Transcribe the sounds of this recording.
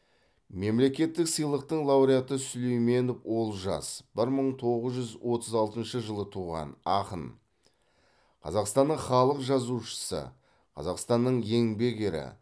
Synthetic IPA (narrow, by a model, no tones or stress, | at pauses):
me̞mle̞kʲe̞t̪ːɪksəjlˠəq̚t̪əɴlˠɑwɾijat̪əsʊlejme̞nd̪ofwo̞lˠʒɑ̰sb̥ɪɾməɴt̪ʰo̞ʁəzʒʏzwʔo̞t̪ʰəzɑlˠt̪ənʃəʒəlˠət̪ʰuʁɑ̰nɑqən | qʰɑ̰zɑqst̪ɑnːəɴχɑlˠəqʒɑzuʃə̥sə̰ | qʰɑ̰zɑqst̪ɑnːəɴje̞ŋbe̞ɡʲe̞ɾɪ̰